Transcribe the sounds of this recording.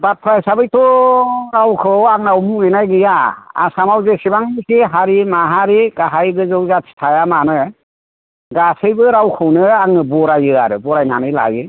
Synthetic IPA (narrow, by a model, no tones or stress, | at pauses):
bat̚pʰɾajsabɯjtɔɾawkʰɯwaŋnawmuɡinajɡɯjaa̰samawzesibaŋikʰiɦaɾimaɦaɾiɡaɦajbɯzɯwzatʰi̥tʰajamanɯ | ɡasɯjbɯɾawkʰɯwnɯaŋnɯbɔɾajɯa̰ɾɯbɔɾajnanɯjla̰jɯ